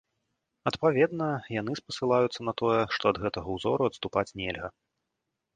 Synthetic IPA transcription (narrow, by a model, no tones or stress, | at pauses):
ɐt̪pavʲɛd̪nɐjan̪ɨspɐsɨlˠajut̪sːɐnɐt̪ɔjɛʂt̪ɔɐd̪ɣɛt̪ɐɣɐuzɔ̰ɾuɐt̪st̪upat͡sʲnʲɛlʲɣɐ